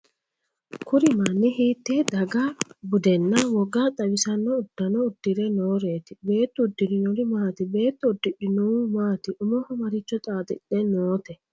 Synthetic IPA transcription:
kʊɾɪmɐnːɪɦiːt̪ːed̪ɐɡabʊd̪ɛnːɐwɔɡaːt̪ʼɐwɪsɐnːɔʊd̪̥ːɐnɔʊd̪ːɪɾɛnoːɾeːt̪ɪbe̞ːt̪ːʊd̪ːɪɾɪnɔɾɪmaːt̪ɪbe̞ːt̪ːɔʊd̪ːɪᶑɪnuːmaːt̪ɪʔʊmɔhɔmɐɾɪt͡ʃːɔt̪ʼaːt̪ɪ̰ɗɛnoːt̪ɛ

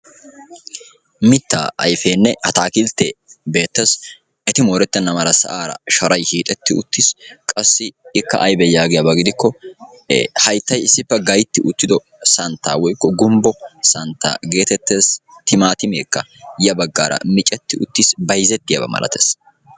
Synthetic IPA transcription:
mɪt̪ːa̰ːʔɐ̰jfeːnːɛhɐt̪aːkɪlt̪ːebe̞ːt̪ːɐs | ɛt̪ɪmoːɾɛt̪ːɛnːɐmɐɾɐsɐ̰ʔaːɾɐ̰ʃɐɾɐjhiːt̪ʼɛt̪ːɪʊt̪ːɪskʼɐsːɪɪkːɐ̰ʔɐjbɛjaːɡɪjɐbɐɡɪd̪ɪkːɔ | hɐjt̪ːɐjɪsːɪpːɛɡɐjt̪ːɪʔʊt̪ːɪd̪ɔ | sɐnt̪ːaːwɔjkːɔɡʊmbɔsɐnt̪ːa̰ːɡe̞ːt̪ɛt̪ːeːst̪ɪmaːt̪ɪmḛːkːɐjɐbɐɡːa̰ːɾɐ̰mɪt͡ʃʼɛt̪ːɪʊt̪ːɪsbɐjzɛt̪ːɪjɐ̰bɐ̰mɐ̰lʔɐ̰t̪ḛːs

